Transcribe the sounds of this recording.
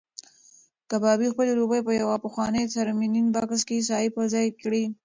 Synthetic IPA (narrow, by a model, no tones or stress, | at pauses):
kabɑbixpəleɾubəjpəjawapəxwɑnəjt̪aɾmininbakskes̬ɑipəzɑjkɽi